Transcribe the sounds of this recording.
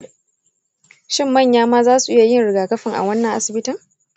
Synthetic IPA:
ʃɪ˦mːɐ˦˨ɲjaː˦maː˦zaː˦su˨ʔɪ˦ja˨jɪ˦˨nɽɪ˨ɡaː˨kɐ˦ɸɪ˨ŋʔa̰˨wɐ˦nːɐ˨ŋʔa˦sɪ˨bɪ˦tɪ˦ŋ

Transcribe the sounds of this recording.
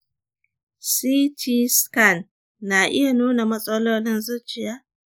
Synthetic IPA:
siː˦tʰi˦ska˦˨nː | aː˨ʔɪ˦ja˨nuː˦na˨mɐ˦sʼɐ˦loː˦lɪ˦nzʊ˦t͡ʃɪ˨jaː˦

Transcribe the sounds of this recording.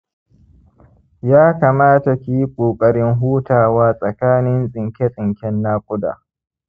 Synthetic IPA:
jaː˦kaː˨maː˦ta˨kʲi˦ji˦kʷʼoː˨kʼɐ˨ɽɪ˦ŋɦuː˦taː˨waː˦sʼɐ˨kaː˦nɪ˦nsʼɪ˨ŋkʲe˦sʼɪ˨ŋkʲɛ˦nːaː˦kʷʼʊ˦da̰ː˨

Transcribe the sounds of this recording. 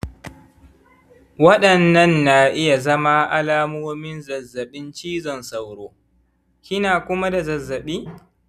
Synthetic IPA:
wɐ˦ɗɐ˨nɐ˦nːa˨ʔɪ˦ja˨zɐ˦ma˦ʔa˦laː˦mʊ˦mɪ˦nzɐ˨zːɐ˨ɓɪ˦nt͡ʃiː˦zɐ˨nsa˨wɽoː˦ | kʲɪ˦naː˨kʷʊ˦ma˦da˨zɐ˨zːɐ˨ɓiː˦

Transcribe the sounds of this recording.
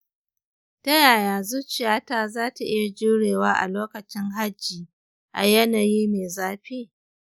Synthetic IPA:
tɐ˦jaː˨ja˨nzu˦t͡ʃɪ˨jaː˦taː˦zaː˦ta˨ʔɪ˦ja˨d͡ʒuː˦ɽeː˨waː˦ʔa̰˨loː˦kɐ˨t͡ʃɪ˦ŋɦa˦d͡ʒːiː˨ | ʔa̰˨jɐ˦naː˨jiː˦neː˨zaː˦ɸiː˦˨

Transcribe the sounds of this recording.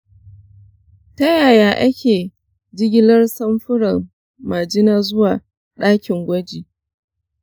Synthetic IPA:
tɐ˦jaː˨jaː˦ʔa˦kʲeː˨ | d͡ʒɪ˦ɡʲɪ˦lɐ˦rsɐ˦mɸʊ˦ɽɐ˨m | ma˨d͡ʒɪ˦naː˦zʊ˦waː˨ | ɗaː˦kʲɪ˨ŋɡʷɐ˦d͡ʒiː˨

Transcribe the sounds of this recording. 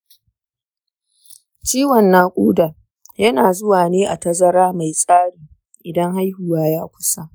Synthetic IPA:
t͡ʃiː˦wɐ˨nːaː˨kʷʼuː˦daː˨ | jɐ˦naː˨zʊ˦waː˨neː˦ʔa˨tɐ˦zɐ˦ɾaː˦ma˨jsʼaː˦ɽiː˨ | ʔɪ˨dɐ˦ŋɦa˦jhʊ˨waː˦jaː˦kʷʊ˦sa˦

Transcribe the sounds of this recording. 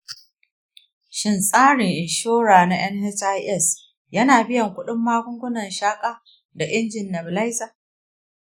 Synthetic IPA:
ʃɪ˦˨nsʼaː˦ɽɪ˨ŋʔɪ˨nʃoː˦ɽaː˨na˦ʔɐ˦nhɛ˦sa˦jʔɛ˦˨s | jɐ˦naː˨bɪ˦jɐ˨ŋkʷʊ˦ɗɪ˦mːaː˦kʷʊ˦ŋɡʷʊ˦nɐ˨nʃaː˦kʼaː˦ | da˨ʔɪ˦nd͡ʒɪ˨nːɐ˨bla˦jsaː˨

